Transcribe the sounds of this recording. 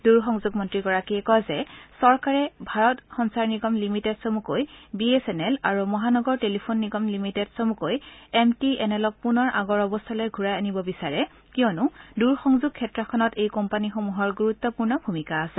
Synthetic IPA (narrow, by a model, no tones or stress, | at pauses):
duɹxɔŋzuɡmɔntɹikɔɹakiɛkɔzɛsɔɹkaɹɛbʱaɹɔtxɔnsaɹniɡɔmlimitɛdsomukojbiesɛnɛlaɹumɔɦanɔɡɔɹtelipʰonːiɡɔmlimitɛdsomukojɛmtiɛnɛlɔk̚punɔɹʔaɡɔɹɔbɔst̪ʰalojɡʱuɹajanibɔbisaɹɛ | kiɔnʊduɹxɔŋzuɡ̚kʰːɛtɹakʰɔnɔtejkɔmpanixomuɦɔɹɡuɹut̪ːɔpuɹnɔbʱumikaːsɛ